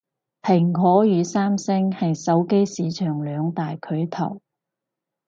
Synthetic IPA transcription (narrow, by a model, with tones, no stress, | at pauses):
pʰɪ˨˩ŋkʰɔː˨˥jyː˨˧saː˥msɪ˥ŋhɐ˨jsɐ˨˥wke˥jsiː˨˧t͡ʃʰœː˨˩ŋlœː˨˧ŋt̪aː˨jkʰɵ˨˥ɥt̪ʰɐ̰˨˩w